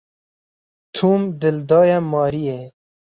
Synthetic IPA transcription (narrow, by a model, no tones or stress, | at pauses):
t̪ʰuːmd̪ɪld̪ɑːjamɑːɾie